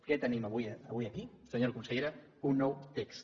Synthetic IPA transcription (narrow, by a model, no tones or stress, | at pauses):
ket̪ənimɐβuiβiɐkisəɲoɾkunsəʎeɾa | unːɔwt̪eks